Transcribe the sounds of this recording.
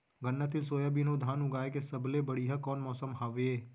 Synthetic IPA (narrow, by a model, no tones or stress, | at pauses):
ɡənːət̪ɪlsoːjabinod̪ʱaːnʊɡaːekesɐblebɐɽiɦɐkɔːnmɔːsəmɦaːʋeeː